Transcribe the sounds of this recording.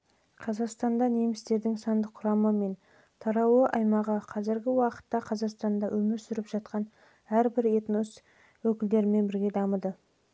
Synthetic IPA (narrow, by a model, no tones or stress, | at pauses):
qʰɑzɑqst̪ɑnd̪ɑne̞mɪst̪e̞ɾd̪ɪŋsɑnd̪əqʰʊɾɑməme̞n | t̪ʰɑɾɑwəʔɑjmɑʁəqʰɑzɪɾɡʲɪwɑqə̥t̪ːɑqʰɑzɑqst̪ɑnd̪ɑwʔɵmɪɾsʏɾɪpʒ̥ɑt̪qɑn | æɾbɪɾe̞t̪nos | wɵkʲɪld̪e̞ɾɪme̞nbɪɾɡʲe̞d̪ɑməd̪ə